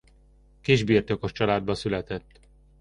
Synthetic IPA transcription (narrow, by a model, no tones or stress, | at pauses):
kiʒbiːrt̪oko̞ʃt͡ʃɒlaːd̪̚bɒsylɛt̪ɛt̪ː